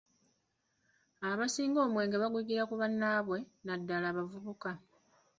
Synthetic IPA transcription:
aβasiːŋɡo̞ːmwe̞ːŋɡeβaɡuɟiɾakuβanːaːβwe̞nadːalaːβavuβuka

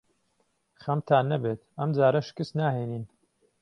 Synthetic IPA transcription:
χɐmt̪ʰaːnːɐbeːt̪ɐmd͡zaːɾɐʃɪ̥kɨsnaːheːniːn

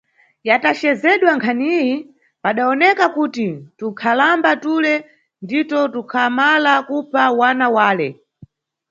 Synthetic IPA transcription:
jatat͡ʃɛzɛɗwaŋkʰaniji | paɗaɔnɛkakutitukʰalambatulɛ | nditɔtukʰamalakupʰawanawaːlɛ

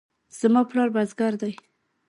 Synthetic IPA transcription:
z̥mɑplɑɾbazɡaɾd̪aj

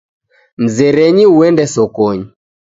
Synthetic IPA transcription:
m̩zɛɾɛɲiuɛndɛsɔkɔɲi

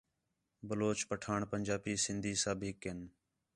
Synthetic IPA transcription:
bəloːt͡ʃpəʈʰaːɳpənʲd͡ʒaːpiːsɪnd̪ʱiːsəbɦɪkɦɪn

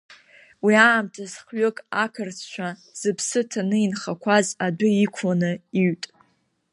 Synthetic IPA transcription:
wiaːmtʰazχɥokʼakʰɨrt͡sʰt͡ʃʷʰaz̥ɨpʰsɨtʰanɨinχakʷʰazadʷʊikʷʰanɨiɥtʼ

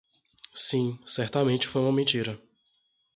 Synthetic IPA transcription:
sĩsɛɾt̪ɐmẽt͡ʃɪ̥fojũmɐmẽnt͡ʃiɾɐ

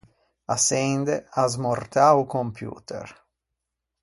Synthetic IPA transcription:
asɛnd̪eazmort̪aukompjṵːt̪ḛr

